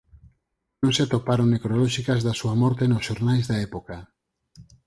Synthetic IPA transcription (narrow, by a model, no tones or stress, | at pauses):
nõŋset̪opaɾoŋnekɾolɔʃikazðasuamɔɾt̪enosʃoɾnajzðaɛpoka